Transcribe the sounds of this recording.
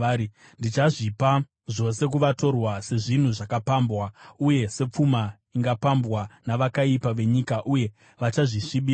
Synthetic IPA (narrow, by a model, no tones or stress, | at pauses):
ndit͡ʃaʐipa | ʐo̞se̞k̬uʋato̞rwase̞ʐin̤uʐakapambwauje̞se̞p͡fuma | iŋɡapambwanaʋakaipaʋe̞ɲikaʔuje̞ | ʋat͡ʃaʐiʂiɓiː